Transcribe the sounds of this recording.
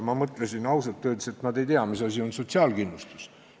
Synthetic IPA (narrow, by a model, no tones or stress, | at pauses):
mɑmɤt̪ˑlesinɑws̬et̪ːøːd̪̥se̞t̪nɑd̪e̞jt̪eɑmisɑsʲio̞nso̞t̪ʲsiɑːlkinːlust̪u̥s